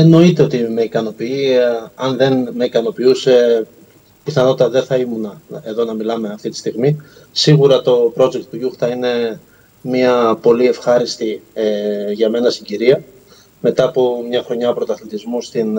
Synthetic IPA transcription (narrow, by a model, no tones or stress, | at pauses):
eno̞it̪e̞o̞t̪ime̞ikɐno̞piiɐnðe̞nmeikɐno̞piuse̞ | piθɐno̞t̪it̪ɐðe̞θɐimunɐeðo̞nɐmilɐme̞ɐft̪it̪i̥st̪iɣmi | siɣuɾɐt̪o̞pɾo̞d͡zekt̪t̪uʝuxθɐine̞ | miɐpo̞lie̞fxɐɾist̪ieʝɐme̞nɐsiɲɟiɾiɐ | me̞t̪ɐːpomɲɐxɾo̞ɲɐopɾot̪ɐθlit̪izmust̪in